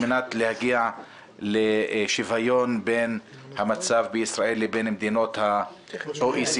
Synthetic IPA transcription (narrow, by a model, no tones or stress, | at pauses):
menat̪lehaɡia | leʃivajo̞nben | hamat͡savbeisʁaʔe̞lebenamd̪ino̞t̪ha | oʔis